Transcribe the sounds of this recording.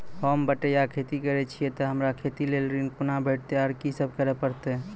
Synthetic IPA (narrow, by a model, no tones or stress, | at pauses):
hɔːmbəʈejakʰeːt̪ikəɾet͡ʃʰiet̪ɔɦəmɾakʰeːt̪ileːlɾinpʊnabeːʈ̚ʰt̪eaɾkisəb̚kəɾepəɾt̪eɦɛ